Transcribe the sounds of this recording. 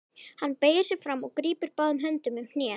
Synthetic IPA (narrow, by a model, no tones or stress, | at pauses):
hanːpeːjɪɾ̥sɪɾ̥fɾamːɔɣkɾiːpɪɾpaːðʏmɦœnt̪ʏmʏmhnjɛː